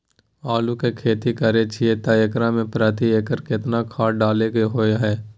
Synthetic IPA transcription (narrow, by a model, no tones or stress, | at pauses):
aːlukekʰeːt̪ikəɾet͡ʃʰiet̪ajəkɾamẽpɾaːt̪̬ieːkəɾkɪt̪nakʰaːɖaːleɡeɦoeɦɛː